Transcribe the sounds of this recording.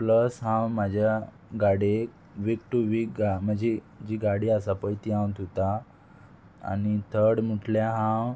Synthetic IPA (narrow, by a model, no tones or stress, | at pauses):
pləsɦãwmad͡ʑʱja | ɡaɽe | ʋik̚ʈuʋikɡam̤əd͡ʑe | d͡ʑiɡaɽiːasapəjt̪iãw̃t̪ot̪a | a̰nit̪ʰəɽmuʈʰljaɦãw